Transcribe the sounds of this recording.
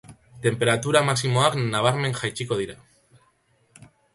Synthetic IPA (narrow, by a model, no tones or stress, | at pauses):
t̪e̞mpe̞ɾat̪uɾamaksimoaknaβaɾmẽ̞ŋxajt͡ʃikoð̞iɾa